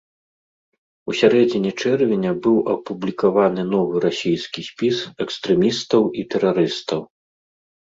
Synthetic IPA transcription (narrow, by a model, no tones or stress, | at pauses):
usʲaɾɛd͡zʲinʲit͡ʂɛrvʲenʲɐbɨwʔɐpublʲikavanɨnɔvɨɾasʲijskʲisʲpʲisɛkst̪ɾɛmʲist̪ɐwit̪ɛɾaɾɨst̪ɐw